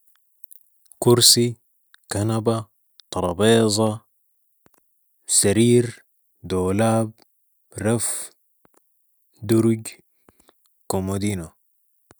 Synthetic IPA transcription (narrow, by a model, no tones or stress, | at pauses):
kuɾsi | kanaba | t̪ˤɑɾˤɑbeːzˤɑ | saɾiːɾ | d̪oːlaːb | ɾaf | d̪uɾuɟ | komod̪iːna